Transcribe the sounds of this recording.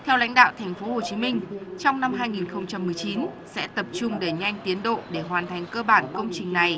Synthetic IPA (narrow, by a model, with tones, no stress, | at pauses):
t̪ʰɛ˧wla̰˧˥jŋ̟ɗa̰ː˧˨wt̪ʰɛ˨˩ŋ̟fo˨˦ho˨˩t͡ɕi˨˦mï˧ŋ̟t͡ɕɔ˧wŋ͡mna˧mɦaː˧jŋi˨˩nxə˧wŋ͡mt͡ɕa˧mːɨ˨˩əjt͡ɕi˨˦nsɛ̰˧˥t̪ə˨˩p̚t͡ɕʊ˧ŋ͡mɗe˧˩ɲa˧jŋ̟t̪i˨˦ənɗo̰˧˨ɗe˧˩ɦwaː˨˩nt̪ʰa˨˩jŋ̟kəː˧ɓaː˧˩nkə˧wŋ͡mt͡ɕï˨˩ŋ̟na˨˩j